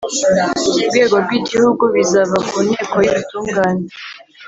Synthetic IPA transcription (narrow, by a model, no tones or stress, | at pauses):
ubɡe̞ːɡoɾɡwiɟihuɡuβizaβakuneːkojiβutuːŋɡaːne